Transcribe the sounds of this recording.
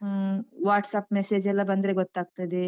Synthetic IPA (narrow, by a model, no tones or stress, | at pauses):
ɦəʋaːʈsaːpmesed͡ʒɛlabɐnd̪ɾeɡot̪ːaːk̚t̪ed̪e